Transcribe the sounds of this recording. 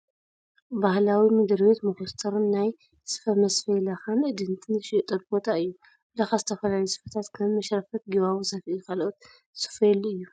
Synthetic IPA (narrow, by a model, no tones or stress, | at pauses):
bahlawimɨd̪ɨɾwet̪mɨxust̪ʰɐɾɨnːaj | sɨ̥fɐmɐsfelaxanʔɨd̪ɨnt̪ʰɨnzɨʃit̪ʼɐt̪̚bo̞t̪ʰaɨjːu | lɐxazɨt̪ʰɐfɐlalisɨ̥fɐt̪ʰat̪kʰɐmɐʃɾɐfɐt̪̚ɡiβawuzɐfʔikʰalʔot̪ | sɨ̥feluɨjːu